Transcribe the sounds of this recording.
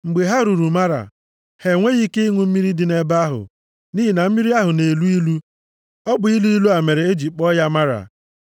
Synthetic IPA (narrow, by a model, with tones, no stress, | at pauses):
ŋ͡m̩˨ɡ͡be˨ɦa˦ɾu˨ɾu˨ma˦ɾa̰˨ | he˨ŋʷe˦ɣi˦ke˦i˦ŋʷu˦m̩˦mi˦ɾi˦dɪ˨ne˨ba˦ɦʊ̰˨ | ni˦ɦi˨na˨m̩˦mi˦ɾi˦a˦ɦʊ˨ne˨lu˦i˦lu˦ | ɔ˦bʊ˨i˦lu˦i˦lu˦a˨me˨ɾe˨e˦d͡ʒi˨k͡pɔ˦ja˦ma˦ɾa̰˨